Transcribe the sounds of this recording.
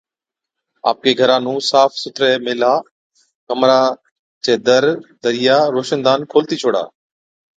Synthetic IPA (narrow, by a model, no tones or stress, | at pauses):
a̰ːp̚keːɡʱəɾãːnũːsaːfsʊt̪ʰɾeːmɪːlaː | kəmɾaː | t͡ʃeːd̪əɾd̪əɾɪjaːɾoːʃənd̪aːnkʰoːlt̪iːt͡ʃʰoːɽa̰ː